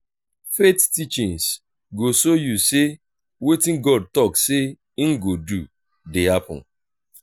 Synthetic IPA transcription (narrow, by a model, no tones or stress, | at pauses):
fettit͡ʃĩŋs | ɡosojuse | wetĩnɡɔd̚tɔkse | ŋ̩ɡodu | dehapɔ̰̃n̩